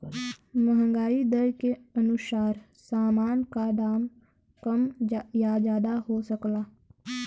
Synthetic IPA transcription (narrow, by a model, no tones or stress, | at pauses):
məɦə̃ŋɡaːid̪əɾkeənʊsaːɾ | saːmaːnkaɖaːm | kəmjad͡ʒaːd̪aɦosəklaː